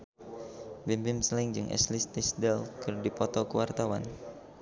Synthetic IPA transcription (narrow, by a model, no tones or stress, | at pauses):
bimbɪmsəlɪŋd͡ʒɨŋʔɛ̰slist̪ɪsdɛlkɨrdipɔt̪ɔkəwart̪awa̰n